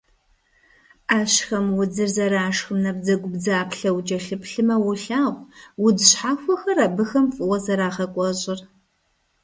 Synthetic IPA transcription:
aːɕxɐmwʊd͡zɨrzɐɾaːʂxɨmnɐb̚zɐɡʷʊbd͡zaːpʰɬɐwud͡ʒʼɐɬɨpɬɨmɐwʊɬaːʁʷwʊdɨɕħaːxʷɔxɐraːbɨxɐmfʼɨwɐzɐɾaːχɐkʷʼɔɕʼɪr

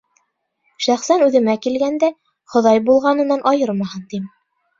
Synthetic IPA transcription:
ʃæχsænʉðɘ̆mækilɡænd̪æ | χŏðɑjbulˠʁɑnɤ̆nɑnʔɑjɤɾmɑhɤnt̪im

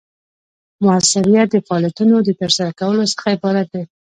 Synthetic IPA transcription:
mʊasɪɾijat̪̚d̪əfaɑlijat̪unod̪ət̪əɾsaɾakawəlosə̥xaebɑɾat̪̚d̪a

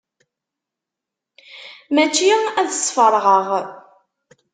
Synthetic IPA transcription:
mæt͡ʃːiæðəsˤːfəɾˤʁəʁ

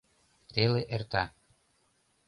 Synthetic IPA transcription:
t̪eleʔert̪ɑ

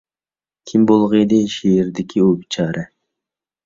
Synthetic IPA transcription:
kʲʰimbolˠʁɨjd̪ɪʃejɪɾd̪ɪkʲʰiobt͡ʃʰɑːɾɨ

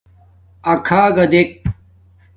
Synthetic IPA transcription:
ɐkʰaːɡɐd̪ek̚

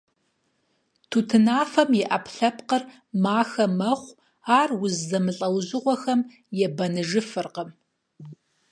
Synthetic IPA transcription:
tʰutʰɨnaːfɐmjɛʔɐpʰɬɐpqər | maːxɐmɐχʷ | aːrwʊzzɐmɨɬʼɐwzɨʁʷɔxɐm | jɛbɐnɨʒɨfɨrqəm

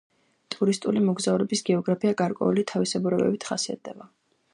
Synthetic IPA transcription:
t̪ʼuɾist̪ʼulimɔɡzauɾɛbisɡɛɔɡɾapʰiaɡaɾkʼwɛ̰ulit̪ʰavisɛbuɾɛbɛ̰bit̪ʰχasia̰t̪̚d̪ɛba

